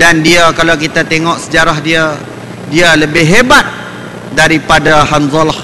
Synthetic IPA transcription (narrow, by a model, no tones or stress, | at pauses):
dandiakalawk̬it̪at̪eŋɔʔsəd͡ʒaɾaɦdia | dialəbɪɦebat̪̚ | daɾipadaɦanzɔlh